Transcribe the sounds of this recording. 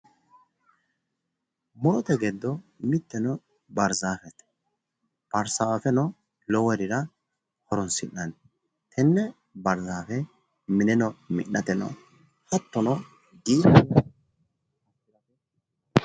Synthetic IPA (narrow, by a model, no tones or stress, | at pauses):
mɔɾɔt̪ɛɡɛd̪ːɔmɪt̪ːɛnɔ | bɐɾzaːfɛt̪ | b̥ɐɾsaːfɛnɔ | lɔwɛɾɪɾɐ | hɔɾɔnsɪnːɐn | t̪ʰɛnːɛ | bɐɾzaːfɛ | mɪnɛnɔmɪ̰ʔnʔɐt̪ɛnɔ̰ | hɐt̪ːɔnɔ | ɡiːb